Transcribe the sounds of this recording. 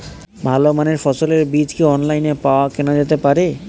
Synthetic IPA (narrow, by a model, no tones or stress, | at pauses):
bʱalomaneɾfɔsoleɾbid͡ʑkeɔnlajnepawakenad͡ʑet̪epaɾe